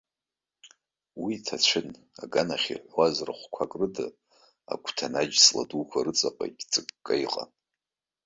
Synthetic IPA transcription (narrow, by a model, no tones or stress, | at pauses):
witʰat͡ɕʷʰɨn | aɡanaχʲiħʷwazraχʷkʷʰakʼrɨdɨ̰ | a̰kʷʰtʰanad͡ʒsla̰dukʷʰaɾɨt͡sʼapʼa̰ɡʲt͡sʼɨkːʼajqʼa̰